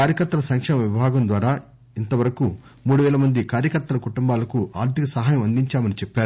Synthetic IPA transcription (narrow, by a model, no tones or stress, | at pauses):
kaːɾjɐkɐɾt̪ːɐlɐsɐŋkʂɛːmɐʋiʋɐbʱaːɡɐnd̪ʋaːɾaː | int̪ɐʋɐɾɐku | muːɽuʋɛːlɐmɐnd̪ikaːɾjɐkɐɾt̪ːɐlɐkuʈumbaːlɐkuʔaːɾt̪ikɐsɐɦaːjɐmɐnd̪iɲt͡ʃaːmɐnit͡ʃɛpːaːɾu